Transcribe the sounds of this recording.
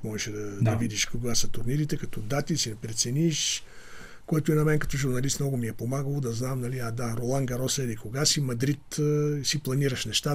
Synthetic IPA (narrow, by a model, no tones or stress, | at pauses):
mɔʒɛʃɛd̪ɐd̪ɐvid̪iʃkoɡasɐt̪ʊɾniɾit̪ɛkɐt̪ɔd̪at̪isid̪ɛpɾɛt̪sɛniʃ | koɛt̪ʊɛnɐmɛnkɐ̥t̪ɔʒuɾnɐlist̪mnɔɡʊmiɛpomaɡəlˠod̪ɐznamnɐlʲiad̪aɾolˠaŋɡɐɾɔsɛd̪ikoɡasimɐd̪ɾit̪siplˠɐniɾəʃnɛʃt̪a